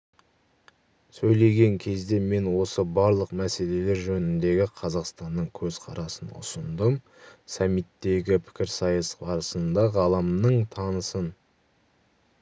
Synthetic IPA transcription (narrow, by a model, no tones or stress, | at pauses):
sɵjle̞ɡʲe̞ŋkʲʰe̞zd̪e̞me̞nwo̞səbɑɾlˠəqmæse̞le̞le̞ɾʒɵnɪnd̪e̞ɡʲɪqʰɑzɑqst̪ɑnːəɴkʲʰɵz̥qʰɑɾɑsənʊ̰sʊnd̪əm | sɑmːijt̪ːe̞ɡʲɪpʰɪ̥kʲɪɾsɑjəsbɑɾəsənd̪ɑʁɑlˠəmnəɴt̪ʰɑnəsən